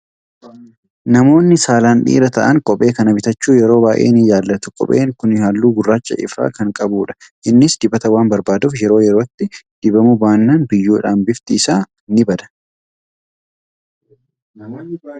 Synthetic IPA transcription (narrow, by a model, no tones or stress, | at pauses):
nɐmo̞ːnːɪsaːlaːnᶑḭːɾɐt̪ɐʔɐŋkʼɔpʼe̞ːkɐnɐbɪt̪ɐt͡ʃːuːjɛɾo̞ːbaːjʔḛːnɪjaːlːɐt̪ʊ̥kʼɔ̰pʼḛːŋkʊnɪhaːlːuːɡʊrːaːt͡ʃːɐ̰ʔɪ̰fɾa̰ːkɐŋkʼɐbuːᶑɐ̥ʔɪnːɪsd̪ɪbɐt̪ɐwaːnbɐɾbaːd̪ʊfjɛɾo̞ːjɛɾo̞ːt̪ːɪd̪̥ɪbɐmubaːnːaːnbɪjːuːᶑaːmbɪft̪iːsaː | nːɪbɐd̪ɐ̥